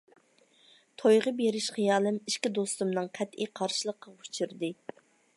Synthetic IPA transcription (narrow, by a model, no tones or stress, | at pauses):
t̪ʰojʁəbeɾɪʃχijɑːlˠɨmiʃkʲid̪ost̪umnɨŋqʰɛt̪iqʰɑɾʃilˠəqʰːɑut͡ʃʰiɾd̪ɨ